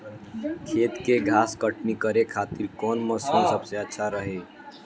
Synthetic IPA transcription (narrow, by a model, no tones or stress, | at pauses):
kʰet̪keɡʱaskəʈnikəɾekʰat̪iɾkɔnməsinsəbseətːʃʰaɾəɦe